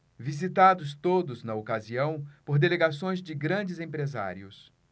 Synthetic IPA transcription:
vizit̪ad̪ʊst̪od̪ʊznɐokaziɐ̃w̃poɾd̪eleɡasõj̃zd͡ʒɪɡɾɐ̃d͡ʒɪzẽpɾeza̰ɾiʊs

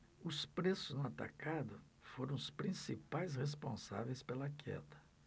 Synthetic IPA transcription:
ʊspɾesʊznʊat̪a̰kad̪ʊ | foɾɐ̃w̃ʊspɾĩsipajshes̬põsa̰vejspelɐkʰɛ̰d̪ɐ̥

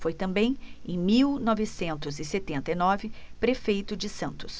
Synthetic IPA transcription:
fojt̪ɐ̃mbẽj̃ẽj̃miwnɔvɪsẽnt̪ʊzɪset̪ẽnt̪ɐjnɔvɪpɾefejt̪ʊd͡ʒɪsɐ̃nt̪ʊ̥s

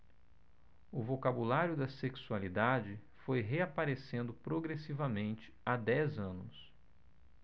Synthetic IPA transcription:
ʊvokabulaɾjʊd̪ɐseksualid̪ad͡ʒɪ | fojɦeapaɾesẽnd̪ʊpɾoɡɾesivɐmẽnt͡ʃɪ̥ad̪ɛzɐ̃nʊs

